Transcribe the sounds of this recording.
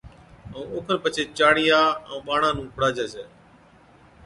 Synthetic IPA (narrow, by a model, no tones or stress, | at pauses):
əũːoːkʰənpət͡ʃʰeːt͡ʃaːɽiːãːũːɓaːɳãːnũːkʰʊɽaːd͡ʒeːseː